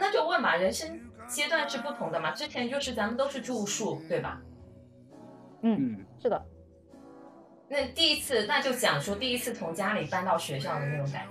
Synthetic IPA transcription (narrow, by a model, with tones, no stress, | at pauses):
na˥˧t͡ɕjo˥˧ʊwə˥˩nbɐ˩ɻə˧˥nʂə˥ŋt͡ɕjɛ˥t̪wa˥˧nʂɻ̩˥˧pu˥˩t̪ʰʊ˧˥ŋd̪ə˧mɐ˨ʈ͡ʂɻ̩˥t͡ɕʰjɛ˧˥nt͡ɕjo˥˧ʊʂɻ̩˥˩t͡sa˧˥mə˨˧t̪o˥ʊʂɻ̩˥˧ʈ͡ʂu˥˧˥ʂu˥˩t̪we˥˩ɪbɐ̰˩ | n̩˥˩ʂɻ̩˥˩d̪ə̰˩ | na˥˧t̪i˥˧i˥t͡sʰɹ̩˥˧na˥˧t͡ɕjo˥˩ʊt͡ɕjɑ̰˨˩ŋʂwɔ˥t̪i˥˩i˥t͡sʰɹ̩˥˩t͡sʰʊ˧˥ŋt͡ɕja˥li˨˩pa˥˧nt̪ɑ˥˩ʊɕɥɛ˧˥ɕ̬jɑ˥˩ʊd̪ə˩na˥˩ʈ͡ʂʊ˧˥ŋka̰˨˩˥